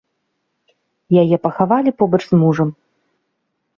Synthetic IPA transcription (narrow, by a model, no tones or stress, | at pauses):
jajɛpɐxavalʲipɔbɐt͡ʂzmuʐɐm